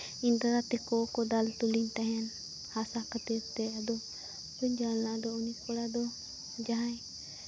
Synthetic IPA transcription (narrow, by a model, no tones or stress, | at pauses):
ind̪aɾat̪ɛkɔkɔd̪alt̪uliɲt̪aɦɛn | hasakʰət̪iɾt̪ɛad̪ɔ | ɾuɲd͡ʒalnaʔd̪ɔɔniskɔɽad̪ɔ | d͡ʒaɦaj